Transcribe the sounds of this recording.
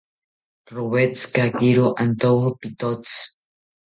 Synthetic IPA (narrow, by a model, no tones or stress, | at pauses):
roβet͡skakiɾoʔant̪opit̪ot͡s